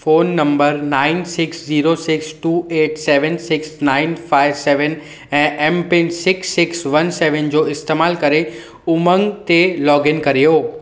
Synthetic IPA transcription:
foːnːə̃mbəɾnaːɪnsɪksd͡ʑiːɾosɪksʈuːeːʈseʋənsɪksnaːɪnfaɪʋsɛːʋən | ɛ̃ʔɛmpɪnsɪksːɪksʋənseʋənd͡ʑoɪst̪eːmaːlkəɾe | ʊmə̃ŋɡt̪elɔːɡɪnkəɾijo

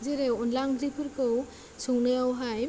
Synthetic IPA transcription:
zeɾeɔnlaŋdɾipʰɯɾkɯw | suŋnɯjawɦaj

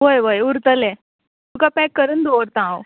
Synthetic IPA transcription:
ʋojʋəjuɾt̪əle | tukapɛkːəɾund̪oɾt̪ãw

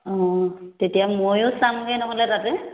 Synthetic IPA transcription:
ɔ̃tetijamojʊsamɡejnɔɦɔlɛtatɛ

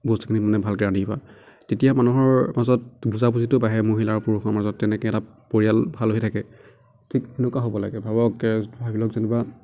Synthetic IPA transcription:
bostukʰinimanɛbʱalkɛɹaniba̰ | tetijamanuɦɔɹmazɔt̚ɡuzapuzitʊbaɦɛmoɦilaɹupuɹuxɔmazɔtːɛnɛkɛɛta | poɹijalbʱalɦoitʰakɛ | tʰikenɔkwaɦobɔla̰ɡɛbʱabɔkɛbʱabilɔkzanɛba

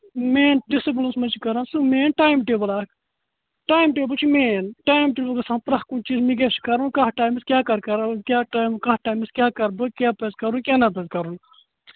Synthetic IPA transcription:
meːnɖisip̬lɐnsmɐt͡ʃikɐɾãːnsumeːnʈaːjmʈeːbɐlaːk | ʈaːjmʈeːbɐt͡ʃʰimeːnʈaːjmʈebɐɡɐsãːmpɾɐkunt͡ʃiːzmiɡ̬esi̥kɐɾunkaɦʈaːjmiskʲjaːkɐɾkɐɾkʲjaːʈaːjmkɐhʈaːjmiskʲjaːkɐɾbɨkʲjaːpezkɐɾunkʲjaːnapezkɐɾun

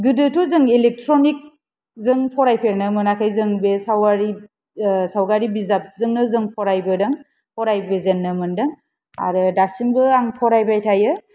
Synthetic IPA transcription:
ɡɯdɯtʰɔzɯŋelek̚tʰɾonik̚ | zɯŋpʰɔɾajpʰeɾnɯmɯnakʰajzɯŋbesawaɾi | sawɡaɾibizap̚zɯŋnɯzɯŋpʰɔɾajbɯdaŋ | pʰɔɾajbezenːɯmɯndɯŋ | a̰ɾɯdasimbɯaŋpʰɔɾajbajtʰajɯ

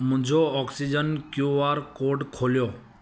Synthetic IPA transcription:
mʊ̃d͡ʒʱoɔksid͡ʒənkjuʋaɾkoːɖkʰoljoː

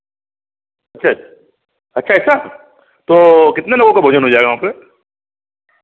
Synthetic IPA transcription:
ɐtːʃʰa | ɐtːʃʰaɪtːsʰa | t̪okɪt̪nelɐɡõkabʱod͡ʒənɦod͡ʒaːeɡaɦaːpɾe

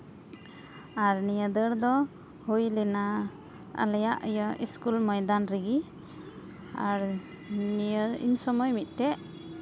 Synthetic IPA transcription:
aɾnijəd̪əɽd̪ɔ | hujlɛna | ə̰lɛjaʔəjəʔiskulmɔjd̪anɾiɡi | aɾ | njəḭɲsɔmɔjmit̪̚ˀʈɛʔ

